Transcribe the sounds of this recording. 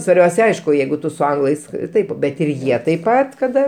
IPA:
sʋɐrʲˈbʲɛʊsʲ ˈɐɪʃkʊ ˈjɛɪɡʊ ˈtʊ sʊ ˈɐŋɡlˠɐɪs ˈtɐɪp ˈbʲɛt ɪr ˈjiɛ tɐɪp ˈpɐt kɐˈdɐ

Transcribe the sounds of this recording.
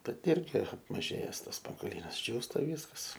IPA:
bʲɛt ˈɪrʲɡʲɪ ɐpmɐˈʒʲeːjɛs ˈtɐs spɐŋɡoːˈlʲiːnɐs ˈd͡ʒʲuːstɐ ˈʋʲiːskɐs

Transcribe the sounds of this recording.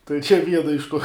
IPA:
tɐɪ t͡ʃʲɛ ˈʋʲiɛnɐ ɪʃ tuɔ

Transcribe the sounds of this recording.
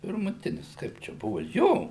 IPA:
pʲɪrmʊˈtʲɪnʲɪs ˈkɐɪp t͡ʃʲɛ ˈbʊʋʊ ˈjoː

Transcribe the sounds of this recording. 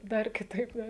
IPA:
ˈdɐr kʲɪˈtɐɪp ˈdɐr

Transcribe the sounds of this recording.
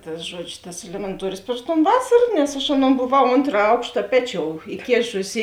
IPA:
ˈtɐs ˈʒuɔd͡ʒʲʊ tɐs ɛlʲɛmʲɛnˈtuɔrʲʊs pʲrʲɪʃ toːn ˈʋɑːsɐr nʲɛs ɐʃ ˈɑːˌnoːn boːˈʋɐʊ ˈoːntrɐ ˈɐʊkʃtɐ ˈpʲæːˌt͡ʃʲoːʊ ɪˈkʲeːʃʊsʲɪ

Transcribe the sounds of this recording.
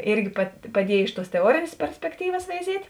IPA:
ˈɪrʲɡʲɪ pɐ pɐˈdʲiɛjeː ɪʃ tuɔs tʲɛˈuɔrʲeːnʲeːs pʲɛrʲsʲpʲɛkˈtʲiːʋɐs ʋʲɛɪˈzʲiɛtʲ

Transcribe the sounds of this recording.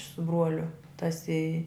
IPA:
sʊ ˈbruɔlʲʊ tɐs ɪ

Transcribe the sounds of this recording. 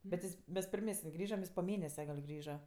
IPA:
bʲɛt ˈjɪs ˈmʲɛs pʲɪrʲˈmʲæːsʲɪnʲ ˈjɪs poː ˈmʲeːnʲɛsʲɛ ɡɐlʲ ˈɡrʲiːʒɐ

